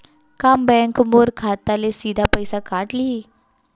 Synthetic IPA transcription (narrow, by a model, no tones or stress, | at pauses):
kambɛ̃ŋkmoːɾkʰaːt̪alesiːd̪ʱapəjsakaːʈlii